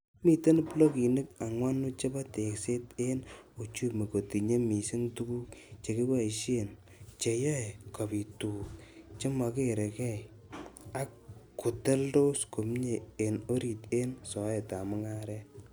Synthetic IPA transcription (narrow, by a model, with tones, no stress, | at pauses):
mi˨te˦n˦plo˦ki˨nɨ˦ka˨ŋwa˦nu˦t͡ʃe˦ba˦te˨kse˦te˦no˨t͡ʃu˦me˨ko˨ti˨ɲe˦mi˨sɪ˦ntu˦ɡu˦kt͡ʃe˨ki˦ba˦i˨ʃe˦n | t͡ʃe˨jɔ˦e˨ka˨pi˨tuː˨k̚t͡ʃe˦ma˨ke˦ɾe˨kɛ˦˨j | a˨kː | u˨tɛ˦ldo˦sko˨mɲe˨e˨no˦ɾi˨te˦nsɔ˨ɛ˨ta˨mʊ˦ŋa˦ɾɛ˦t̚